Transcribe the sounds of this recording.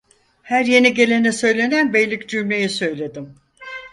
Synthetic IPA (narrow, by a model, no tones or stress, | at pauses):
hæɾje̞niɟe̞lʲe̞nɛsø̞jlʲe̞nænbejlʲːicd͡ʒymlʲejisø̞jlʲe̞d̪im